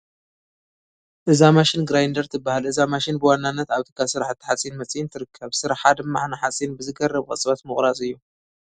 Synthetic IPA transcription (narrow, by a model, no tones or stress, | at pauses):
ʔɨzamaʃɪnɡɾajnd̪ɐɾt̪ʰɨbːahalʔɨzamaʃinbɨwanːanːɐt̪aβt̪ʰɨ̥kʰːasɨɾaħt̪ʰːɨ̥ħasʼinmɐt͡sʼjint̪ʰɨɾɨkʰːɐβsɨɾaħħad̪ɨmːa̰ħnaħasʼinbɨzɨɡɐrːɐβkʼɐ̰t͡sʼβat̪mɨχʼɾasʼɨjːu